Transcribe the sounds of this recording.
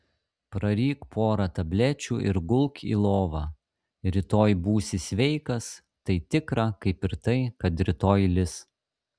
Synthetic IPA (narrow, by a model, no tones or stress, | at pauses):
pɾɐɾʲiːkpʰoːɾɐt̪ɐbʲlʲæt͡ʃʲuːʔɪ̰ɾɡʊlˠkʲḭːlˠoːʋɑ | ɾʲɪt̪oːjbuːsʲɪsʲʋʲɛɪkɐs | t̪ɐɪt̪ʲɪkɾɐkɐɪpɪɾt̪ɐɪkɐt̪ɾʲɪt̪oːjlʲɪs